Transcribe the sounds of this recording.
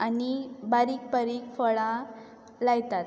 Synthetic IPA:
anibaɾiːk̚pəɾikfəɭã | laɡt̪at̪

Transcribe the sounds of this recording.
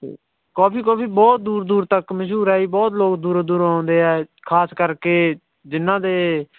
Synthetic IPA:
koːpʰiːkoːpʰiːbɔːt̪̚d̪uːɾd̪uːɾt̪əkməʃuːɾɛːiːbɔːt̪loːkd̪uːɾd̪uːɾãːnd̪eːɛːkʰaːskəɾkeː | d͡ʒɪnːãːd̪eː

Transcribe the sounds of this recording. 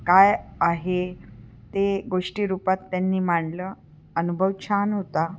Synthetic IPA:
kajaɦe | t̪eɡoʂʈiːɾupat̪ːanːiːmaɳlə | ənubʱəʋt͡ɕʰanɦot̪a

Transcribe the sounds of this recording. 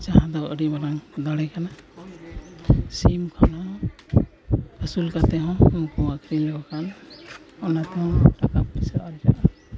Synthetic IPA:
t͡ʃaɦãd̪awəɾibaɾaŋd̪aɽɛkʰana | simkʰana | əsulkat̪ɛɦɔ̃mukɔakɾilɛɡɔkʰan | ɔnat̪ɛhɔ̃ʈakaplisaɾaɾd͡ʒaʔa

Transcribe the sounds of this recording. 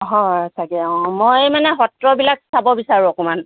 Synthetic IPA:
ɦɔ̃tʰakɛmojmanɛɦɔtɹɔbilak̚sabɔbisaɹũɔkɔman

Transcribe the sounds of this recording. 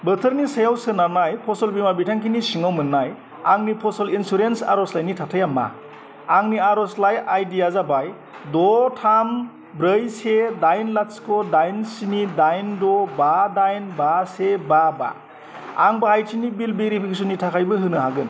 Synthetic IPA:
bətʰɯɾnisajawsɯnaɾnajpʰɔsɔlbimabitʰaŋkʰinisiŋawmɯnːaj | aŋnipʰɔsɔlinsuɾensa̰ɾɔslajnitʰatʰajamːa̰ | aŋniaɾɔslajajdijazabaj | dɔtʰam | bɾəjsedajnlaskʰɔdajnsinidajndɔbadajnbasebaba̰ | aŋbahajtʰinibilbiɾipʰikʰesɔnːitʰakʰajbɯɦɯnɯɦaɡɯn

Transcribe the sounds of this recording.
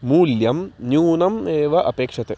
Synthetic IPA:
muːljɐmnjuːnɐmeːʋɐʔɐpeːkʂɐt̪e

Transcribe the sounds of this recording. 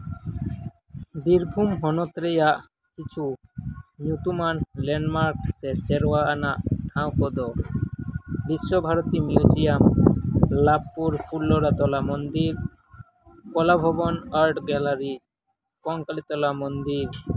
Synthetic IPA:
biɾbʱumɦɔnɔt̪ɾɛjaʔ | kit͡ʃʰu | mjut̪umanlɛnmaɾk̚t̪ɛsɛɾɔwaʔanaʔʈʰãw̃kɔd̪ɔ | biʃːɔbʱaɾɔt̪imjud͡ʒijam | labpuɾpʰulːɔɾat̪ɔlamɔnd̪iɾ | kɔlabʱɔbɔnaɾʈɡɛlaɾi | kɔŋkalit̪ɔlamɔnd̪iɾ

